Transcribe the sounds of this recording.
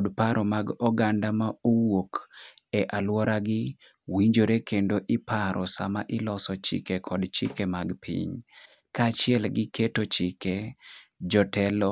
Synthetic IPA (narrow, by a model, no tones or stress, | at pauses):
ɔdpaɾɔmaɡɔɡandamaowokeʔalwɔɾaɡɪ | wiɲd͡ʒoɾekendoʔɪpaɾʔɔsa̰maʔɪlɔsɔt͡ʃɪ̰kekʰɔdt͡ʃɪkemaɡpʰḭɲ | kat͡ʃɪɛlɡɪketot͡ʃɪke | d͡ʒɔtɛlɔ